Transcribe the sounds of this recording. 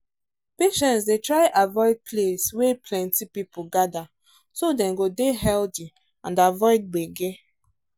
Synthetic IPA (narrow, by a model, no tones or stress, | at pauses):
peʃɛ̃nsdetɹaɪʔavɔɪd̚pʰleswepʰlɛ̃ntipipuɡada | sodɛ̃mɡodeɦɛlti | ãndavɔɪd̚ɡ͡beɡe